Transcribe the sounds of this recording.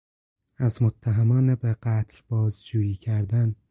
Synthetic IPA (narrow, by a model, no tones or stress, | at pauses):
æzmot̪ʰːæɦæmɒːnebeɢæt̪ʰlbɒːzd͡ʒuːjiːcʰæɾd̪æn